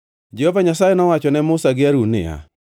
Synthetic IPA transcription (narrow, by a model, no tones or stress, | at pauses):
d͡ʒɛhovaɲasajɛnɔwat͡ʃɔnɛmʊsaɡɪaɾunɪ̰a̰